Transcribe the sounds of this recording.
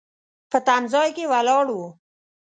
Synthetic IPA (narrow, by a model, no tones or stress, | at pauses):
pət̪anzɑjkewalɑɽu